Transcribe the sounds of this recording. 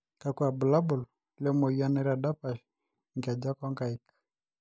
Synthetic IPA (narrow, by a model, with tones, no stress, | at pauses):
ka˨ku˦a˨bu˨la˦bu˨l | lɛ˦mɔ˨ia˦nɛ˦ɾa˨da˦pa˨ʃ | ŋka˨d͡ʒa˦kɔ˦ŋka˨i˦k